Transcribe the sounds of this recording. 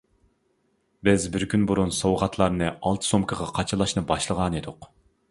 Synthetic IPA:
bɪzbɪɾkʲynbuɾunsowʁɑt̪ʰlˠɑɾnɨɑlˠt̪ʰɨ̥somkʰəʁɑqʰɑt͡ʃʰɨlˠɑʃnɨbɑʃlˠəʁɑned̪ʊq

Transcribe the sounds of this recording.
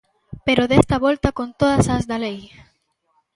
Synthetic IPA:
peɾoðɛst̪ɐβɔlt̪ɐkont̪oðɐsɐzðalej

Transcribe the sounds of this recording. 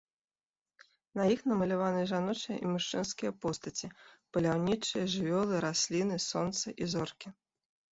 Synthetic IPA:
nɐjixnɐmɐlʲavanɨʐanɔt͡ʂɨjɐ̰ʔimuʂt͡ʂɨnskʲijɐpɔst̪ɐt͡sʲipɐlʲawnʲit͡ʂɨjɐʐɨvʲɔlˠɨɾasʲlʲinɨsɔnt̪sɐʔizɔrkʲi

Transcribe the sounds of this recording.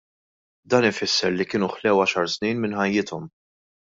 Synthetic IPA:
d̪ɐːnɪfɪsːɛɾlikɪːnuʊħlɛwɐʃɐɾsniːnmɪnħɐjːɪt̪ʰɔm

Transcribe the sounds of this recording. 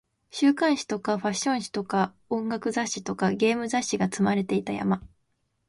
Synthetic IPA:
ɕɨːkãɰ̃ɕi̥t̪o̞kaɸaɕːõ̞ɕi̥t̪o̞ka | õ̞ŋɡakɯ̟zaɕːi̥t̪okaɡʲe̞ːmɯ̟zaɕːiɡat͡sɨmaɾe̞t̪e̞it̪aja̰ma

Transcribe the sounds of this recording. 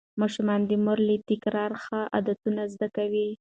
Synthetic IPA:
mɑʃumɑnd̪əmʊɾlit̪ɪkɾɑɾxaʔa̰d̪at̪unazd̪akawi

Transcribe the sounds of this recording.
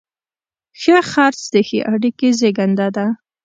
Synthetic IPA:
xəxɑɾt͡sd̪əxḛʔaɽikezeɡand̪ad̪a

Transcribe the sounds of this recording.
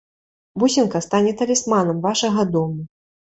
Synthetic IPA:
busʲinkɐst̪anʲɛt̪ɐlʲismanɐmvaʂɐɣɐd̪ɔmu

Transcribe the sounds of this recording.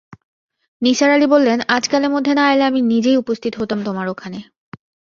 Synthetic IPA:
niʃaɾalibolːenad͡ʑkaleɾmod̪ʱːenaaeleaminid͡ʑejupost̪ʰit̪oɦot̪amt̪omaɾokʰane

